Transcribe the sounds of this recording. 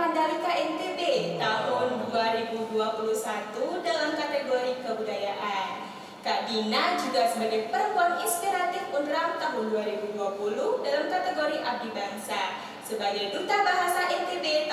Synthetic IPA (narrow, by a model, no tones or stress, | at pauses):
andalikaʔɛnt̪ebet̪aɦʊnduaɾibuduapuluhsat̪udalamkat̪eɡoɾikəbudajaʔan | kaʔdinad͡ʒuɡasəbaɡajpəɾəmpuaninspiɾat̪ɪfundɾap̚t̪aɦʊnduaɾibuduapulʊhdalamkat̪eɡoɾiʔap̚dibaŋsa | səbaɡajdut̪abaɦasaʔɛnt̪ebe